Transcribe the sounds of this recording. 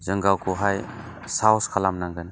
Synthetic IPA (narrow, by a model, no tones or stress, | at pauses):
zɯŋɡawkʰuɦaj | sawskʰalamnaŋɡɯn